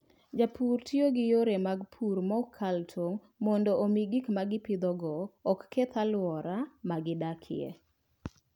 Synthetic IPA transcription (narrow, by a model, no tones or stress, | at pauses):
d͡ʒapʰurtjoɡɪjoɾemaɡpʰuɾmɔkʰːaltʰoŋ | mɔndɔomiɡikmaɡɪpid̪ɔɡɔːkːet̪ʰalwɔɾamaɡɪdakʰɪ̰ḛ